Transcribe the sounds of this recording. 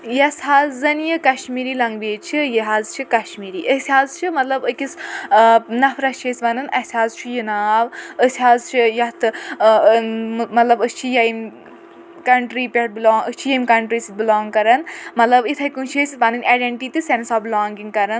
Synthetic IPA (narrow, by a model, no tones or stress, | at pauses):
jɐsɦaːzzɐnjɨkɐʃmiːɾiːlɐŋɡbeːt͡ʃʰijiɦaːzt͡ʃʰikɐʃmiːɾiːʔɐsʰʲaːzt͡ʃʰimɐt̪lɐbəkʲis | nɐfʰɾɐt͡ʃʰesʲʋɐnɨnɐsʰʲaːzt͡ʃʰujinaːʋəsʰʲaːzt͡ʃʰijɐt̪ʰɨ | mɐt̪lɐbəst͡ʃʰijɐim | kɐɳʈɾiːpʲeʈ̚bilɔːŋəst͡ʃʰijɐmkɐɳʈɾiːsibilɔːŋɡkɐɾɐnmɐt̪lɐbit̪ʰɐkunt͡ʃʰesiʋɐnɨnʔaːɖeɳʈiːt̪isensɔːblɔːŋɡiŋɡkɐɾɐn